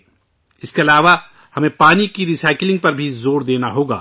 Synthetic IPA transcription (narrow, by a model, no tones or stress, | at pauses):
ɪskeɐlaːʋa | hɐmẽpaːnikiɾisaːɪklɪ̃ŋɡ̚pɐɾbʱizoːɾd̪eːnaɦoːɡa̰ː